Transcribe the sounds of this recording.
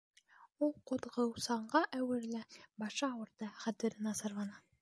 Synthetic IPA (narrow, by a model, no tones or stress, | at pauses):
ulˠqŏd̪ʁɤwsɑɴɢɑʔæwɘ̆ɾlɘbɑʃɑɑwɤ̆ɾd̪ɑχæt̪ɘ̆ɾɘnɑsɑ̆ɾlɑnɑ